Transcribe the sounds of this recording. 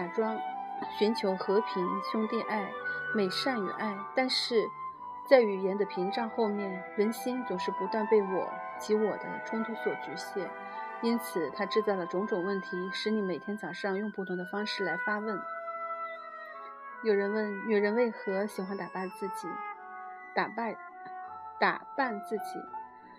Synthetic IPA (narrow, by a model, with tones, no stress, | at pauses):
a˨˩ʈ͡ʂwɑ˥ŋɕy˧˥nt͡ɕʰjo˧˥ʊxɤ˧˥pʰi˧˥nɕʊ˥ŋt̪i˥˧ʔa˥˩ɪme˨˩ɪʂa˥˩ŋy̰˨˩ʔa˥˩ɪt̪a˥˧nʂɻ̩˥˩ | t͡sa˥˩ɪy˨˩jɛ˧˥nd̪ə˧pʰi˧˥ŋʈ͡ʂɑ˥˧ŋxo˥˧ʊmjɛ˥˩n | ɻə˧˥nɕi˥nt͡sʊ˨˩ŋʂɻ̩˥˩pu˧˥t̪wa˥˧npe˥˩ɪwɔ̰˨˩ | t͡ɕi˧˥wɔ˨˩d̪ə̰˦ʈ͡ʂʰwnt̪ʰu˧˥swɔ˨˩t͡ɕy˧˥ɕjɛ˥˩ | i˥nt͡sʰɹ̩˨˩t̪ʰa˥ʈ͡ʂɻ̩˥˧t͡sɑ˥˩ʊlə˩ʈ͡ʂʊ˧˥ŋʈ͡ʂʊ˨˩ŋwə˥˩nt̪ʰi˧˥ʂɻ̩˧˥ni˧˥me˨˩ɪt̪ʰjɛ˥nt͡sɑ˨˩ʊʂɑ˥˧ŋjʊ˥˧ŋpu˥˩t̪ʰʊ˧˥ŋd̪ə˧fɑ˥ŋʂɻ̩˥˩la˧˥ɪfa˥wə˥˩n | jo˨˩ʊɻə˧˥nwə˥˩njo˨˩ʊɻə˧˥nwe˥˩ɪxɤ˧˥ɕi˨˩xa˧˥nt̪a˨˩pa˥˧nt͡sɹ̩˥˩t͡ɕḭ˨˩˦ | t̪a̰˨˩pa˥˧ | t̪a̰˨˩pa˥˧nt͡sɹ̩˥˩t͡ɕḭ˨˩˦